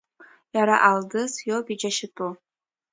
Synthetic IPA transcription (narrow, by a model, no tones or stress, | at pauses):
jaɾaʔaldɨsjobid͡ʒaʃɪtʼu